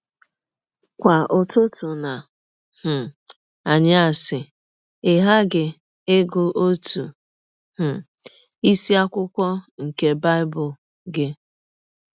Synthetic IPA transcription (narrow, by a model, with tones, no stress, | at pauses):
kʷa˨ʊ˨tʊ˦tʊ˨na˨ | h̩˨ | a˨ɲɪ˦a˨sɪ˨ | ɪ˨ɦa˦ɡɪ˨ | e˦ɡʊ˦ʔo˦tu˨ | h̩˨ | i˦si˦a˦kʷʊ˦kʷɔ˦ŋ̩˨ke˦ba˦ɪ˦bʊ˨l | ɡɪ˦